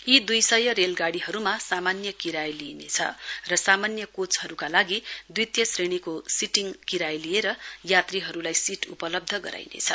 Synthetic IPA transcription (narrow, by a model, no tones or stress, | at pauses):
id̪ujsʌjʌɾelɡaɽiɦʌɾumasamanjʌkiɾajlinḛt͡sʰʌ̰rʌsamanjʌkot͡sɦʌɾukalaɡid̪ijt̪jʌsreɽ̃ikosiʈiŋkiɾajlijeɾʌjat̪riɦʌɾulajsiʈṵpʌlʌb̚d̪ʱʌɡʌ̰ɾa̰jnḛt͡sʰʌ